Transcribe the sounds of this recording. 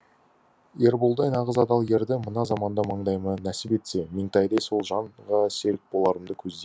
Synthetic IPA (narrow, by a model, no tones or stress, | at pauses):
je̞ɾbolˠd̪ɑjnɑʁəzɑd̪ɑlˠɡʲe̞ɾd̪ɪmənɑzɑmɑnd̪ɑmɑɴd̪ɑjmənæsɪpe̞t̪se̞mɪŋt̪ɑjd̪ɑjso̞lˠʒɑɴʁɑse̞ɾɪk̚bo̞lˠɑɾəmd̪əkʲʰɵzd̪e